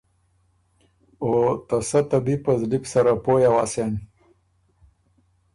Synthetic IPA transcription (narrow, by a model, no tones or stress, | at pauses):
ot̪ɐsɐt̪ɐbipɐzlipsɐɾapoːjawasan